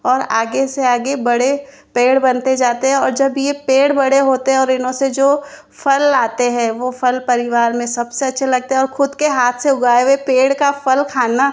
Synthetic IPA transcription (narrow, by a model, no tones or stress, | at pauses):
ɔːɾaːɡeseaːɡebɐɽe | peːɽbɐnt̪ed͡ʒaːt̪eɦɛ̃ɔːɾd͡ʒɐbjepeːɽbɐɽeɦoːt̪eɦɛ̃ɔːɾɪnɦõsed͡ʒoː | fʰɐlaːt̪eɦɛ̃ːʋofʰɐlpɐɾɪʋaːɾmẽsɐbseɐtːʃʰelɐɡ̚t̪eɦɛ̃ɔːɾxʊd̪keɦaːt̪ʰseʊɡaːeʋepeːɽkafɐlkʰaːna